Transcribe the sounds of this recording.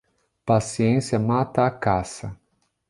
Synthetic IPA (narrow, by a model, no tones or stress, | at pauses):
pasiẽsjɐmat̪ɐːkasɐ